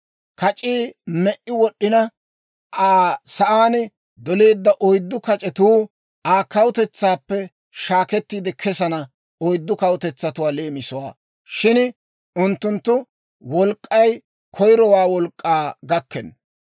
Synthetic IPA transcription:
kɐt͡ʃʼiːmɛʔɪwɔɗːɪnɐ | ʔaːsɐʔaːn | d̪ɔle̞ːd̪ːɐʔɔjd̪ːʊkɐt͡ʃʼɛt̪uː | aːkɐwʊt̪ɛt͡sːaːpːɛ | ʃaːkɛt̪ːiːd̪ɛkʰɛsɐnɐ | ɔjd̪ːʊkɐwʊt̪ɛt͡sːɐt̪ʊwaːleːmɪsɔwa̰ː | ʃɪn | ʊnt̪ːʊnt̪ːʊ | wɔlkʼːɐj | kʰɔjɾɔwaːwɔlkʼːaːɡɐkːɛn

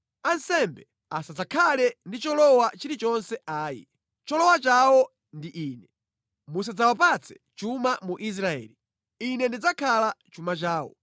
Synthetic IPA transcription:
ansɛmbɛ | asad͡zakʰalɛndit͡ʃɔlɔwat͡ʃiɾit͡ʃɔnsɛʔaːjḭ | t͡ʃɔlɔwat͡ʃawɔ | ndiʔiːnɛ | mus̬ad͡zawapat͡sʰɛ̥ | t͡ʃumamuʔis̬ɾaɛ̰ːli | inɛndid͡zakʰalat͡ʃumat͡ʃaːwɔ̰

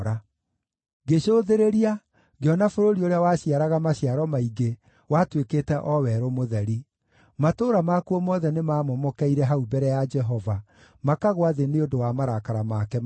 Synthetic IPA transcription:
ɾa | ɡeɕoːðeɾeɾia | ɣeɔnafoɾoɾioɾeawaɕiaɾaɣamaɕiaɾɔmaiɡe | watwekeːtɛʔɔwɛɾomoðɛɾi | matoːɾamakuɔmɔðɛnemaːmomɔkɛiɾɛɦaubɛɾɛjad͡ʒɛɦɔva | makaɣoaðeneodowamaɾakaɾamakɛ

